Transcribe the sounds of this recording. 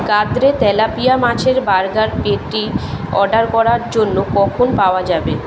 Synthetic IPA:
ɡad̪ɾet̪ɛlapijamat͡ɕʰeɾbaɾɡaɾpeʈiɔɖaɾkɔɾaɾd͡ʑonːokɔkʰonpaoad͡ʑabe

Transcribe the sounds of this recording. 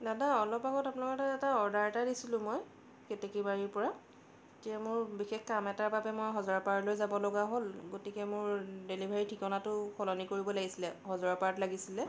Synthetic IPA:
dadaɔlɔpaɡɔtapunlakɔtaɛtaɔɹdaɹtadisilʊ̃moj | ketɛkibaɹiɹpɔɹa | tiamʊɹbixexkamɛtaɹbapɛmojɦɔzɔɹapaɹtlojzabɔloɡaɦolɡotikɛmʊɹdelibʱaɹitʰikɔnatʊxʰɔlɔnikoɹibɔlaɡisilɛhɔzɔɹapaɹtlaɡisilɛ

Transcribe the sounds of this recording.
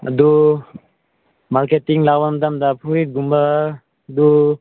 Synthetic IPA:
d̪u | malketiŋlawamd̪amd̪apʰuit̪̚ɡumba | d̪u

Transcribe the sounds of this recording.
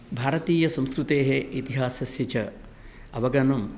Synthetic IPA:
bʱaːɾɐt̪iːjɐsɐ̃mskɾut̪eːɦeit̪iɦaːsɐsjɐt͡ʃɐ | ɐʋɐɡɐnɐm

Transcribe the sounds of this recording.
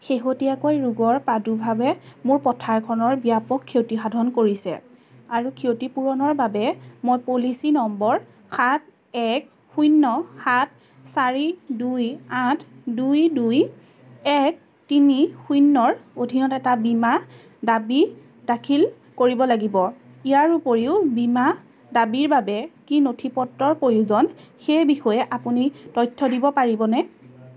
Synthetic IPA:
xeɦotiakojɹuɡɔɹpɹadubʱabɛmʊɹpɔtʰaɹkʰɔnɔɹbijapɔkʰːiewtixadʱɔnkoɹisɛ̰ | aɹukʰiowtipuɹɔnɔɹbabɛmojpolisinɔmbɔɹ | xʰat̚ | ɛk̚ | xujnːɔxat̚ʰ | saɹidujãtʰdujduj | ɛk̚ | tinixujnːɔɹodʱinɔtɛtabima | dabi | dakʰil | koɹibɔlaɡibɔ | ijaɹupoɹiʊbima | dabiɹbabɛkinotʰipɔtːɔɹpojuzɔnxejbixɔjɛʔapunitɔjtʰːɔdibɔpaɹibɔnɛ

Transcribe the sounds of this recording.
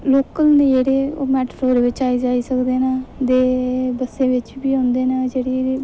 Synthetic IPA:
loːkəlned͡ʒeːɽeːo̰ːmɛːʈpʰloːɾʋɪt͡ʃaːiːd͡ʒaːiːsəkd̪eːnəd̪eːbəsẽːʋɪt͡ʃbiːɦõːnd̪eːnəd͡ʒeːɽiɾi

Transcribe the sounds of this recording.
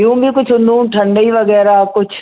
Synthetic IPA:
jũːbʱikʊt͡ʃʰʊ̃nd̪ũːʈʰɐ̃ɳɖiːʋəɡɛːɾakʊt͡ʃʰ

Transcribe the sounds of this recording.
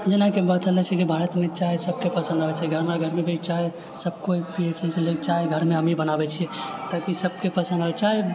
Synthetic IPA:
d͡ʒenakebat̪əlɛt͡ʃʰɛkibʱaɾət̪mẽt͡ʃaesəb̚kepəsə̃nd̪ɦəɛt͡ʃʰɛɡʱəɾmeɾaɡʱəɾmebit͡ʃae | səb̚koipiɛt͡ʃʰiselekt͡ʃaeɡʱəɾmeɦəmibənabɛt͡ʃʰijɛt̪akisəb̚kepəsə̃nd̪ɦəɛt͡ʃae

